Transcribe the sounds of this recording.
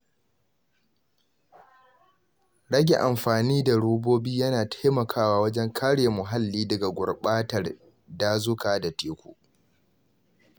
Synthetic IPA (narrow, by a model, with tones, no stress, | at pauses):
ɽɐ˦ɡʲe˨ʔa˨mɸaː˨niː˦da˨ɽoː˦boː˦biː˦jɐ˦naː˨tʰḁ˦jmɐ˨kʰaː˦waː˦wɐ˦d͡ʒɛ˦ŋkʰaː˦ɽeː˨mʊ˨ɦa˦lːiː˦dɐ˨ɡa˨ɡʷʊ̰˨rɓaː˦tɐ˨r | daː˦zʊ˦kaː˨da˨teː˦kʷṵː˨ʔ